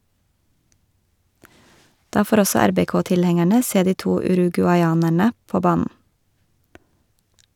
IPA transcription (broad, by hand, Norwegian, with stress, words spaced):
ˈdɑː ˈfoːɾ ˈɔsɔ ˈæɾbɛˌkoːtɪlˌhɛŋæɳə ˈseː ˈdiː ˈtuː ʉɾʉɡʉɑɪˈɑːnæɳə ˈpoː ˈbɑːnn̩